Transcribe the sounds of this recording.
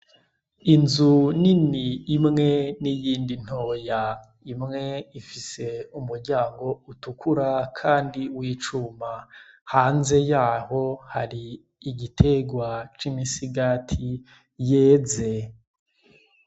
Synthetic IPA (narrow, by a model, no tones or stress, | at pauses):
inzuniniːmŋe̞nijiːndin̥ho̞ːja | imŋe̞ifise̞umuɾɟaːŋɡo̞utukʰuɾakʰaːndiwiːt͡ʃumahaːnze̞jaːho̞haɾiː | ɟitʰe̞ɡwat͡ʃimisiɡatʰi | jeːze̞